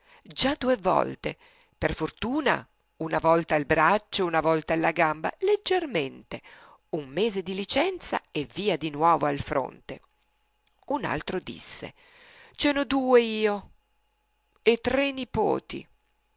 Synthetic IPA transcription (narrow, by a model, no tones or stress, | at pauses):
d͡ʒad̪uːevɔ̰lt̪e | perfort̪uːna̰ | unavɔlt̪ailbɾat͡ʃːounavɔlt̪aalːaɡamba̰led͡ʒːerment̪e | umːeːzed̪ilit͡ʃɛnt̪sa̰evːiːad̪inwɔːvoalfɾo̰nt̪ḛ | una̰lt̪ɾod̪ḭsːḛ | t͡ʃɛːnod̪uːeiːo | et̪ːɾenipo̰ːt̪ḭ